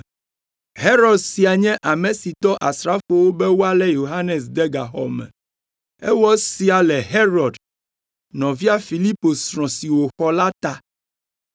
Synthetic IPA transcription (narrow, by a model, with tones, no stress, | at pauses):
ɦe˦ɾɔ˨dsi˨a˨ɲɛ̃˦ʔa˨mẽ˨si˨t̪ɔ˦ʔa˨sɾa˦fo˨wo˦bɛe˦wo˦a˦lɛ˦jo˨ɦa˦ne˨s̬d̪ɛ˦ɡa˨ɦɔ̰˨mɛ̰̃˨ | ɛ̰˦wɔ˦si˦a˨lɛ˨ɦe˦ɾɔ˨d | nɔ̃˨vi˦a˦fi˨li˦po˨sɾɔ̃˨si˨wo˨xɔ˦la˦t̪a˦